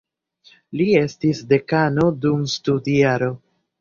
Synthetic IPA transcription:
lie̞stisde̞kano̞dumstudiaɾo̞

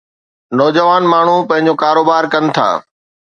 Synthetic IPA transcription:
nɔːd͡ʑəʋaːnmaːɳ̤upɐ̃ɦɪ̃ɲd͡ʑoːkaːɾoːbaːɾkɐnɪ̆t̪ʰa̰ː

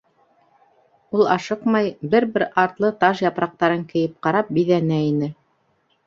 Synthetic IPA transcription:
ulˠɑʃɤqmɑjbɘɾβɘɾɑɾt̪lˠɤt̪ɑʃjɑpɾɑq̚t̪ɑɾɤŋkɘ̆jɘp̚qɑɾɑp̚biðænæinɘ

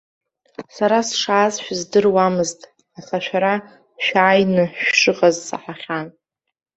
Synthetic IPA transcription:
saɾasʂaːzʃᶣzdɨrwamɨztʼ | aχaʃᶣaɾa | ʃᶣaːjnɨʃʂɨqʼazsa̰ħaχʲan

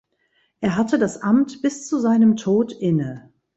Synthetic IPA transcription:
ʔeːɐɦatədasʔamtb̥ɪst͡suzaɪnəmtʰoːtʔɪnə

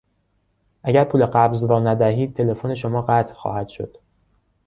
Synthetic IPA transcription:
ʔæɟæɾpʰuːle̞ɢæbzɾɒːnæd̪æɦiːd̪̚t̪ʰe̞le̞fone̞ʃomɒːɢæt̪ʰlxɒ̰ːhæd̪̥ʃo̞̰d̪̥

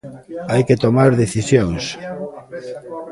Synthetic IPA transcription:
ajket̪omaɾðeθisjoŋs

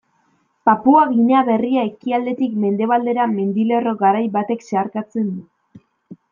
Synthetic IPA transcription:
papuaɣineaβe̞riae̞kiald̪e̞t̪ikme̞nd̪e̞β̞ald̪e̞ɾame̞nd̪ile̞ro̞ɡaɾajβat̪e̞kse̞aɾkat͡se̞nd̪u

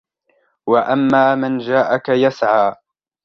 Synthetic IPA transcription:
waʔamːaːmand͡ʒaːʔakajasʕaː

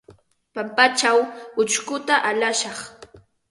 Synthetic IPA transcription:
pampat͡ʃawʊt͡ʃkʊt̪aʔalaʃɑχ

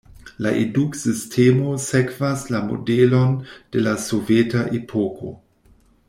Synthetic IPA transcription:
laʔeduksistʰemosekvaslamo̰delond̥elasovetaʔepʰokʰo̰

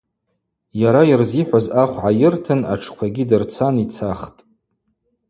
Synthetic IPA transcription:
jaɾajirziħʷazaχʷʕajɪrtʰɨna̰ʈ͡ʂʰkʷʰaɡʲidɨrt͡sʰanit͡sʰaχtʼ

